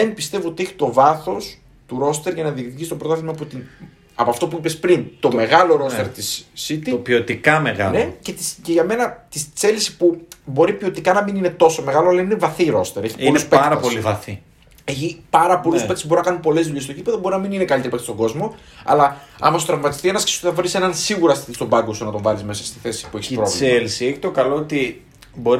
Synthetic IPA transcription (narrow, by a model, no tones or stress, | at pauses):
ðenpist̪e̞voot̪ieçi̥t̪o̞vɐθo̞s | t̪uɾo̞st̪eɾʝɐnɐðikt̪iʝist̪obɾot̪ɐθimɐpot̪in | ɐpoɐft̪o̞puipespɾint̪o̞me̞ɣɐlo̞ɾo̞st̪eɾt̪isːit̪ipiot̪ikɐmeɣɐ̰lnece̞t̪isceʝɐme̞nɐt̪ist͡se̞lisi̥pubo̞ɾipio̞t̪ikɐnɐmininet̪o̞so̞me̞ɣɐloɐlɐinevɐθiɾo̞st̪eɾe̞çi̥poluspeɾɐpolivɐθi | e̞çipɐɾɐpo̞luspet̪isbo̞ɾinɐkɐnupo̞lezðuʎe̞st̪ocipe̞ðo̞boɾinɐminine̞kɐlit̪eɾipɐkt̪istoŋɡo̞zmo̞ | ɐ̰lɐɐ̰mɐsot̪ɾɐvmɐt̪ist̪ienɐske̥su̥t̪eθɐvɾisenɐnsiɣuɾɐsi̥t̪ist̪o̞bɐŋɡosunɐt̪o̞ɱvɐlizme̞sɐst̪i̥θe̞si̥pueçispɾo̞vlselisieçi̥t̪o̞kɐloot̪i | bo̞ɾ